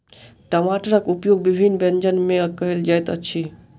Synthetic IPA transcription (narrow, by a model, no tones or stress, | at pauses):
ʈəmaʈɾəkupjoɡ̚bibʱinbẽnd͡ʒənmẽkəɦeld͡ʒajt̪ət͡ʃʰi